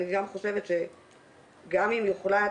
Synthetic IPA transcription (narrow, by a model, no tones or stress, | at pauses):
niɡamχo̞ʃe̞vet̪ʃe̞ | ɡamimjuχla